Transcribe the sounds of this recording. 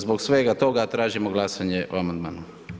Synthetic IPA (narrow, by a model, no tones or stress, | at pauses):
zbo̞ksʋeɡat̪o̞ɡat̪ɾaːʒimoɡlˠasaɲeʔoamand̪maːnu